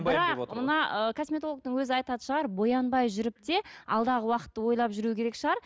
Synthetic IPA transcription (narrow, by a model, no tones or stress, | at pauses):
bɪɾɑqmənɑəkʰosmʲe̞t̪olˠək̚t̪əɴwɵzɪɑjt̪ɑd̪ə̥ʃəʁɑɾbo̞jɑnbɑjʒʏɾɪp̚t̪e̞ɑ̰lˠd̪ɑʁəwɑqə̥t̪ːəwo̞jlˠɑpʒʏɾuɪkʲʰe̞ɾekʃəʁɑɾ